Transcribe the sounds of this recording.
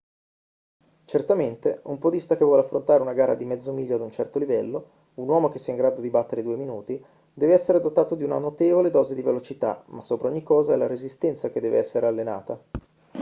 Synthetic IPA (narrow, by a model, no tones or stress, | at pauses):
t͡ʃert̪ament̪eumpod̪ist̪akevːwɔleafːɾont̪aːɾeunaɡaːɾa̰d̪imɛd̪zomiʎːoad̪unt͡ʃɛrt̪olivɛlːo | unwɔːmok̟e̥sːiːaiŋɡɾaːd̪od̪ibat̪ːeɾed̪uːeminuːt̪i | d̪ɛːveɛsːeɾed̪ot̪ːaːt̪od̪iuna̰not̪eːvoled̪ɔːzed̪ivelot͡ʃit̪a̰masːoːpɾaoɲːikːɔːzaɛlaɾezist̪ɛnt̪sak̟ed̪ɛːvḛɛsːeɾealːena̰ːt̪a